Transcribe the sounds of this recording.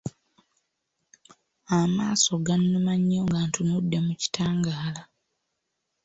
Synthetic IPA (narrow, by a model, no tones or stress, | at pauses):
amaːso̞ɡanːumaɲːoŋɡantʰunudːe̞muci̥tʰaːŋɡaːla